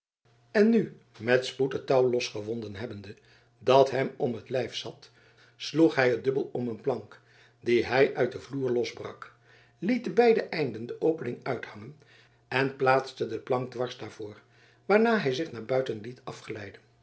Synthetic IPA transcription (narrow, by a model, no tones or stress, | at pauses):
ɛnːy | mɛtsputətɑwlɔsχəvɔndənɦɛbəndə | dɑtɦɛmɔmətlɛjfsɑt | sluχɦɛjɦədɵbəlˠɔmənplɑŋk | diɦɛjʔœɥt̚dəvluːɹlɔzbrɑk | litdəbɛjdəʔɛjndəndəʔowpənɪŋœɥthɑŋən | ɛnplaːtstədəplɑŋɡ̚dʋɑɹzdaːɹv̥ʊːɹ | ʋaːɹnaːɦɛjzɪχnaːɹbœɥtənlitʰɑfχəlɛjdən